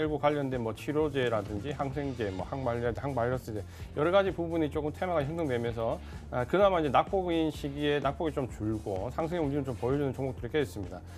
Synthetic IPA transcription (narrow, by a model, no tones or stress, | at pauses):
eɭɡokwaʎːʌndwe̞nmwʌt͡ɕʰiɾod͡ʑe̞ɾadɯnd͡ʑihaŋsʰe̞ŋd͡ʑe̞mwʌhaŋmaʎadɦaŋmaʎːʌs͈ɯndejʌɾʌɡad͡ʑipubunit͡ɕ͈ok͈ɯmtʰemaɡaʌŋsʰɯŋnwe̞mjʌnsʰʌ | akɯnamaiɲd͡ʑe̞nak̚p͈oɡinɕʰiɡie̞nak̚p͈oɡit͡ɕ͈omt͡ɕuɭɡosʰaŋsʰe̞ŋeund͡ʑimɯnt͡ɕompʌjʌd͡ʑunɯnt͡ɕoŋok̚t͈ɯɾikʰees͈ɯmɲida